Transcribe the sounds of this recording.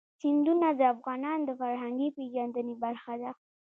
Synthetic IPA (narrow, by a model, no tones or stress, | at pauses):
hɪnd̪unad̪əafɣɑnɑnd̪əfaɾɦaŋɡipeʒɑnd̪ənibaɾxad̪a